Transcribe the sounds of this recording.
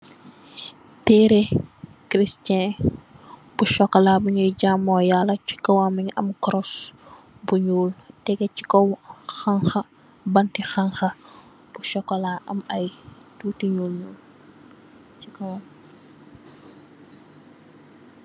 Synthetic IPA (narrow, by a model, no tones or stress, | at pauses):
tɛɾe | kɾistɛ̃ | b̥uʃɔkːɐlabuɲujɟaːmɔːjalːɐci̥kɐwamiɲɐ̰mkɾɔs | buɲuːltɛɡɛci̥kɔwxaŋxɐ | bɐntixaŋxɐ | b̥uʃɔkːɐlaʔɐ̰mɐjtuːtiɲulɲul | t͡ʃikɐwam